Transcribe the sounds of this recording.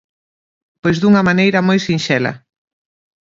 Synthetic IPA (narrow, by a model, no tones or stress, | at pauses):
pojzðuŋɐmanejɾɐmojsinʃɛlɐ̰